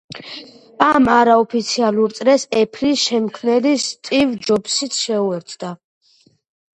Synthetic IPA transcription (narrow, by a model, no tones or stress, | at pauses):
amaɾaɔpʰit̪sʰialˠuɾt̪sʼɾɛsɛpʰɾisʃɛmkʰmnɛlist̪ʼivd͡ʒɔbsit̪sʰʃɛuɛɾt̪ʰd̪a